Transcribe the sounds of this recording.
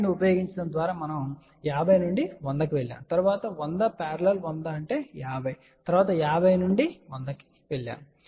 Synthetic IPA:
niupɐjo̞ːɡiɲt͡ʃɐɽɐnd̪ʋaːɾaːmɐnɐm | jaːbʱɐjnuɳɖiʋond̪ɐkiʋeɭːja̰ːmt̪ɐɾuʋaːt̪ɐʋond̪ɐpaːɾɐlɐlʋond̪aːɐɳʈe̞ːjaːbʱɐj | t̪ɐɾuʋaːt̪ɐjaːbʱɐjnuɳɖiʋond̪ɐki̥ | ʋeɭːja̰ːm

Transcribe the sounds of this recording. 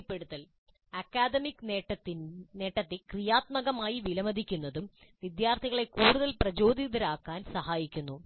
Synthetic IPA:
pːe̞ɽut̪ːɐl | ɐkːaːd̪ɐmikːeʈɐne̞ːʈːɐt̪ːikrijaːt̪̚mɐɣɐmaːjiʋilɐmɐd̪ikʲːunːɐðumʋid̪jaːrt̪ʰiɣɐɭe̞kuːɽuðɐlprɐt͡ɕo̞ːd̪ʱiðɐɾaːkːaːnsɐɦaːjikʲːunːu

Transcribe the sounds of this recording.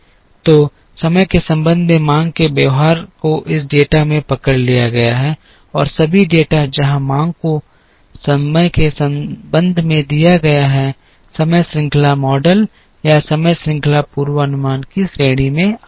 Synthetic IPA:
t̪oː | sɐməjkesɐ̃mbə̃nd̪ʱmãːŋɡ̚kebjəʋɦaːɾkoʔɪsɖeːʈamẽpɐkəɽlijaɡɐjaɦɛ | ɔːɾsɐbʱiɖeːʈad͡ʒɐɦãmãːŋɡko | sɐməjkesɐ̃mbə̃nd̪ʱmẽd̪ijaɡɐjaɦɛ | sɐməjsɾɪ̃ŋklamɔːɖəl | jasɐməjsɾɪ̃ŋklapuːɾwəɐnʊmaːnkisɾeːɽ̃imẽ

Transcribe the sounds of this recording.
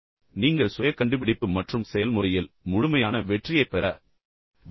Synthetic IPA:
niːŋɡɐɭsɔjɐkːɐɳɖɯpɪɽɪpːɯmɐʈrɯmsɛjɐlmʊrɐjɪlmʊɻʊmɐjaːnɐʋɛʈrɪjɐɪpːɛɾɐ

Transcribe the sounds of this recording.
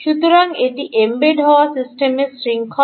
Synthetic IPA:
ʃut̪uɾaŋeʈiʔembeɖɦɔʋasisʈemesʈɾiŋkʰɔ

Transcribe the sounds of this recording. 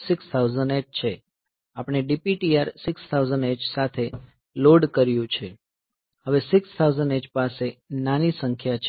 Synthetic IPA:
sɪkst̪ʰawzənet͡ʃt͡ʃʰe | apɽ̃eɖipiʈiaɾsɪkst̪ʰawzənet͡ʃsat̪ʰe | loɖkəɾjũt͡ʃʰe | həʋesɪkst̪ʰauzəned͡ʒpasenanisəŋkʰjat͡ʃʰ

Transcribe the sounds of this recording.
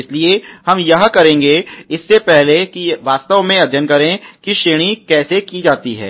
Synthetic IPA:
ɪsliehɐmjɐɦãkɐɾẽːŋɡeɪsːepɛɦlekiʋaːst̪əʋmẽɐd͡ʒənkɐɾẽkiʃeːɽ̃ikɛːsekid͡ʒaːt̪iɦɛ̰ː

